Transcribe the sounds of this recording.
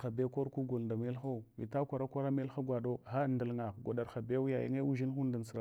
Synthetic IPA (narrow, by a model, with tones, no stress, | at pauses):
a˨be˦ko˦ɾku˦ɡu˨lda˨me˦lxa˦˨vi˨ta˦kʷa˨ɾa˦kʷa˦ɾa˦me˦lxa˦ɡʷa˨do˦xa˦˨ndə˨lŋa˨ɡa˨da˨ɾxa˨be˦u˦ja˨jḭ˦ŋe˦u˦ʒi˦n˦xu˦n˦da˨n˨sɾa˨